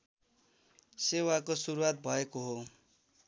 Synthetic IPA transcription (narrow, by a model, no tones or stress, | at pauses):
sewakosuɾuat̪̚bʱʌekoɦo